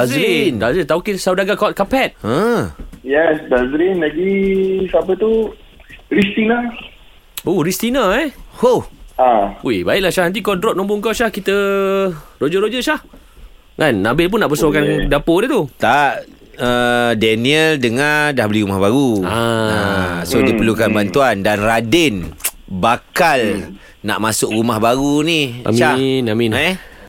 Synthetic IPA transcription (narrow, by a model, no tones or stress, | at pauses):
azɾindazit̪aukesawdaɡakɔt̪̚kapɛt̪̚ə̃ | jɛsdazɾinlaɡisapət̪u | ɾist̪ina | oɾist̪inaɛhoaubaɪʔlaʃahnant̪̬ikɔdɾɔp̚nɔ̃mpʊŋkaʃahkit̪ə | rod͡ʒəɾod͡ʒəʃah | ŋanːabɪlp̬ʊnːaʔpəsakandapodet̪ut̪aʔ | ədɛniəldəŋadahbəliɾumahbaɾuaasodipərlukanbant̪uandanradɪn | bakal | na̰ʔmasʊkrumahbaɣunia̰mʃanaminɛ